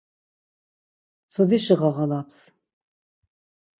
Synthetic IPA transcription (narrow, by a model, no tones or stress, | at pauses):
sʰɔd̪iʃɨʁɑʁɑlapʰs